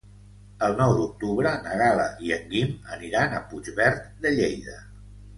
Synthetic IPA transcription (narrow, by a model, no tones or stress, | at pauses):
əlˠnɔwd̪uk̚t̪uβɾənəɣalə̰ʔiəŋɡimə̰niɾanə̰pud͡ʒβɛɾt̪d̪əʎejðə